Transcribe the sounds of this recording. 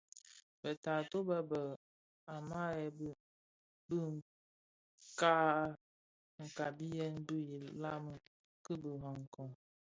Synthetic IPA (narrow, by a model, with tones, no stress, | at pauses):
bə˨ta˨to˦bə˦bə˨ | a˨ma˦jɛ˨˦ | bɨ˦ŋ˨ | ka˦ | ŋ̩˨ka˨bi˦jɛ˦nbɨ˦ji˨la˦mɨ˨ | kɨ˦bɨ˨ɦa˨ŋ˨kɔ˨ŋ